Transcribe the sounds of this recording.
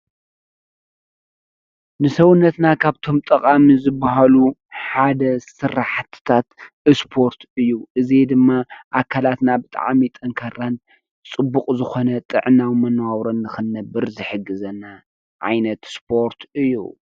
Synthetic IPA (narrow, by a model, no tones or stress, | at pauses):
nɨsɐwʊnːɐt̪nakʰaβt̪ʰo̞mt̪ʼɐkʼamizɨbːaɦaluħad̪ɐsɨraħt̪ʰɨ̥t̪ʰat̪ | ɨspʰo̞ɾt̪ɨjːuʔɨzed̪ɨmːaʔakʰalat̪nabɨt̪ʼa̰ʕmit̪ʼɐŋkʰɐran | t͡sʼɨbːukʼzɨxo̞nɐt̪ʼɨ̰ʕɨnawmɐnːwawɾɐnːɨxɨnːɐbɨɾzɨħɨɡːɨzɐna | ʕa̰jnɐt̪spʰo̞ɾt̪ʰɨjːṵ